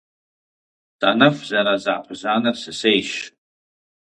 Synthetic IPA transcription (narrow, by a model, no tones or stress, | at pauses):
tʼanɨfzaɾazaʔpʰzanɨrsɨsejʃ